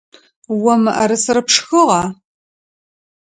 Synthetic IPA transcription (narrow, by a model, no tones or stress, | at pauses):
wɔmɨʔɐɾɨsɨɾɐpʂxɨʁɑ